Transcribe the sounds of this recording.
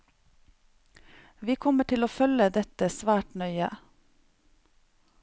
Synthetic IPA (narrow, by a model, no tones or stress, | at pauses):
ʋiːkʰɔməʈʰɪloːfœləd̪ɛt̪əsʋæːʈnœʏə